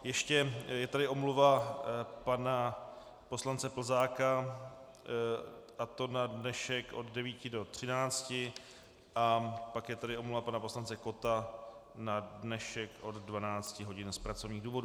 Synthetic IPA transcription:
jɛʃcɛjɛt̪adɪʔo̞mluva | pana | poslant͡sɛpl̩zaːka | ʔat̪o̞nadnɛʃɛkʔo̞ddɛviːcɪdo̞t̪r̝̥ɪnaːt͡scɪ | ʔapakjɛt̪adɪʔomluvapanapo̞slant͡sɛko̞t̪a | nadnɛʃɛkʔo̞d̪dvanaːt͡scɪɦo̞ɟɪnspɾat͡so̞vɲiːɣduːvo̞du

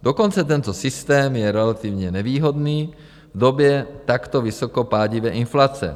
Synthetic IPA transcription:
d̥oko̞nt͡sɛt̪ɛnt̪osɪst̪ɛːmjɛɾɛlat̪ɪvɲɛnɛviːɦod̪niː | vd̪objɛt̪akt̪ovɪsokopaːɟɪvɛːʔɪnflat͡sɛ̰

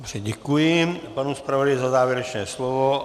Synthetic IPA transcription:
brɛɟɛkujipanuspɾavʋɔd̪ajzazaːʋjɛɾɛt͡ʃnɛːslɔʋɔ

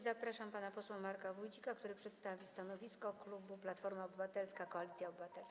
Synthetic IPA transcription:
zapɾaʂampanapɔswɛmːaɾkavujd͡ʑikak̚t̪uɾɘpʂɛt̪st̪avʲist̪anɔvʲiskɔklubuplat̪fɔɾmaɔbɘvat̪ɛlskakɔalʲit̪sjaɔbɘvat̪ɛlska

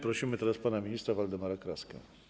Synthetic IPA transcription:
pɾɔɕimɘt̪ɛɾaspanamʲiɲʲist̪ɾavald̪ɛmaɾakɾaska̰

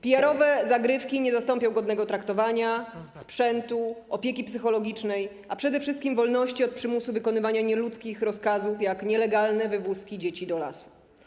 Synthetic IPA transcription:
pʲijaɾɔvɛzaɡɾɘfkʲiɲɛzast̪ɔmpʲjɔ̃w̃ɡɔd̪nɛɡɔt̪ɾakt̪ɔvaɲaspʂɛnt̪uɔpʲjekʲipsɘxɔlɔɡʲit͡ʂnɛj | apʂɛd̪ɛfʂɘst̪kʲimvɔlnɔɕt͡ɕiɔt̪̚pʂɘmusuvɘkɔnɘvaɲaɲɛlut̪skʲixɾɔskazufjakɲɛlɛɡalnɛvɘvuskʲid͡ʑet͡ɕid̪ɔla̰su̥

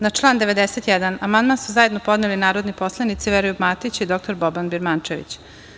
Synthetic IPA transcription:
nat͡ʂlˠaːnd̪e̞ʋe̞d̪eset̪jɛd̪anamand̪mansuzaje̞d̪no̞po̞d̪nelinaːɾod̪nipo̞slˠanit̪siʋeɾojubmaːt̪it͡ɕid̪o̞k̚t̪o̞ɾbobanbiɾmant͡ʃeʋḭt͡ɕ

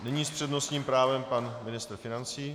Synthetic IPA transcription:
nɛɲiːspr̥ɛdno̞st̪ɲiːmpɾaːvɛmpanmɪnɪst̪ɾ̩fɪnant͡siː

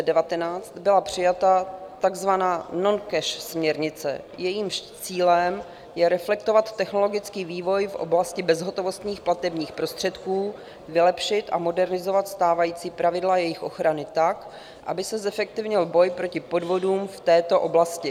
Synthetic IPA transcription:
dɛvat̪ɛnaːt͡st̪bɪlapr̥ɪjat̪at̪aɡzvanaːno̞nkɛʃsmɲɛɾɲɪt͡sɛ̰ | jɛjiːmʃt͡siːlɛm | jɛɾɛflɛkt̪o̞vat̪ːɛxno̞lo̞ɡɪt͡skiːviːvo̞jfʔo̰blascɪbɛzɦo̞t̪o̞vo̞st̪ɲiːxplat̪ɛbɲiːxpɾo̞st̪r̥ɛt̪kuː | vɪlɛpʃɪt̪ʔa̰mo̞dɛɾnɪzo̞vat̪st̪aːvajiːt͡siːpɾavɪdlajɛjɪxʔo̞̰xɾanɪt̪ak | ʔa̰bɪsɛzɛfɛk̚t̪ɪvɲɪlbo̞jpɾo̞cɪpo̞dvo̞duːmft̪ɛːt̪o̞ʔo̞blascɪ

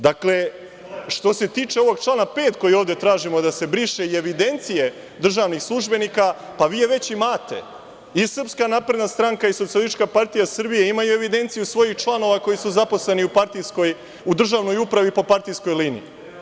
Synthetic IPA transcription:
d̪akle̞ | ʃt̪o̞se̞t̪iːt͡ʃe̞o̞ʋo̞ɡ̚t͡ʃlˠaːnape̞ːt̪ko̞jio̞ːʋd̪e̞t̪ɾaːʒimo̞d̪ase̞bɾiʃeie̞ʋid̪e̞nt̪sije̞ | d̪r̩ʒaʋnixslˠuʒbe̞nikapaʋiːjeʋe̞t͡ɕimaːt̪e̞̰ | isr̩pskanaːpɾe̞d̪nast̪ɾaŋkaiso̞t̪sialist̪i̥t͡ʃkapaɾt̪ijasr̩bije̞imajue̞ʋid̪e̞nt̪sijusʋo̞jixt͡ʃlˠano̞ʋako̞jisuzapo̞sle̞niupaɾt̪iskoj | ud̪r̩ʒaːʋno̞jupɾaʋipo̞paɾt̪ijsko̞jlinḭḭ

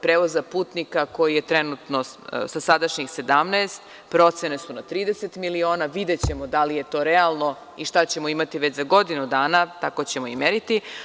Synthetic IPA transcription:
pɾeːʋozapuːt̪nikako̞jije̞t̪ɾenut̪no̞sasad̪aʃɲixse̞d̪amneːst̪ | pɾo̞t̪sene̞sunat̪ɾiːd̪eset̪milio̞ːnaʋid̪e̞t͡ɕe̞mod̪alije̞t̪o̞ɾɛalˠno̞ | iʃt̪at͡ɕe̞mo̞imat̪iʋe̞t͡ɕzaɡo̞d̪inud̪aːnat̪ako̞t͡ɕemoimeɾit̪i

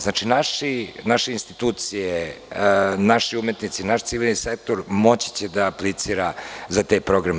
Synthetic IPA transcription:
znat͡ʃinaʃinaʃeinst̪it̪uːt̪sije | naʃiumet̪nit̪sinaʃt̪siʋilʲnisek̚t̪oɾmo̞t͡ɕi̥t͡ɕed̪aːplit̪siːɾazat̪ajpɾo̞ɡɾam

